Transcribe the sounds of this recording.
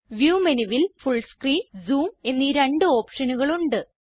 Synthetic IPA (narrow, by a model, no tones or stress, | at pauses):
ʋjuːmeniʋilfuɭskriːnzuːme̞nːiːɾeɳɖɨo̞ːpʂɐnuɣɐɭuɳɖɨ